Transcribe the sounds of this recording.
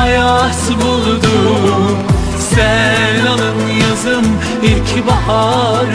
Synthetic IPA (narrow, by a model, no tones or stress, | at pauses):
jasbulˠd̪u | sɛlʲalˠɯmjazɯm | iɾcʰibahaɾ